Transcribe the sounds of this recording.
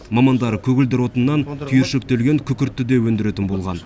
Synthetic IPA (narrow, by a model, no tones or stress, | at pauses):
mɑmɑnd̪ɑɾəkʲʰɵɡʲɪld̪ɪɾwo̞t̪ənːɑnt̪ʲʰʏjeɾʃek̚t̪elɡʲe̞ŋkʲʰʏkʲɪɾt̪ːɪd̪e̞wɵnd̪ɪɾe̞t̪ɪnbo̞lˠʁɑn